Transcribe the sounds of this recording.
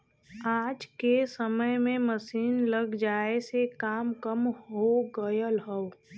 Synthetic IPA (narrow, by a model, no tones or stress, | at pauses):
aːd͡ʒkesəməjmẽməsiːnləɡd͡ʒaːesekaːmkəmɦoɡəjəlɦəʊ